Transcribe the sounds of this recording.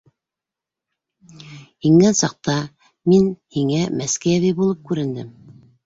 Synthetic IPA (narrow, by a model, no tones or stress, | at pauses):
iŋɡænsɑq̚t̪ɑ | minhiŋæmæskæjævibulˠɤp̚kʉɾɘ̆nd̪ɘm